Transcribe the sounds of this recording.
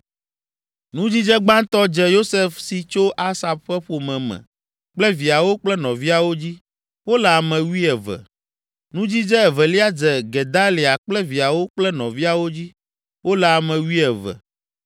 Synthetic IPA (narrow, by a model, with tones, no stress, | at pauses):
nũ˦d͡ʑi˦d͡ʒɛ˦ɡ͡bã˦t̪ɔ˦d͡ʒɛ˦jo˦se˦fsi˨t͡ʃo˦ʔa˦sa˨b̚ɸɛ˦ɸo˨mɛ̃˨mɛ̰̃˨ | k͡plɛ˦vi˨a˨wo˦k͡plɛ˦nɔ̃˨vi˦a˨wo˦d͡ʑi˦ | wo˦lɛ˨a˨mɛ̃˨wi˦ɛ˨vɛ̰˨ | nũ˦d͡ʑi˦d͡ʒɛ˦ɛ˨vɛ˨li˦a˦d͡zɛ˨ɡɛ˨d̪a˦li˨a˨k͡plɛ˦vi˨a˨wo˦k͡plɛ˦nɔ̰̃˨vi˦a˨wo˦d͡ʑi˦ | wo˦lɛ˨a˨mɛ̃˨wi˦ɛ˨vɛ̰˨